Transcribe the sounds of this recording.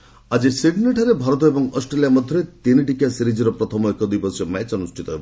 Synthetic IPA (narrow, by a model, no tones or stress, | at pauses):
ad͡ʒisiɡneʈʰaɾebʱaɾɔt̪̬ɔebɔŋɔsʈɾelijamɔd̪ʱjɔɾet̪iniʈikasiɾid͡ʒiɾɔpɾɔt̪ʰɔmɔekɔd̪ipɔsiɔmɛt͡ʃɔnusʈʰit̪ɔeb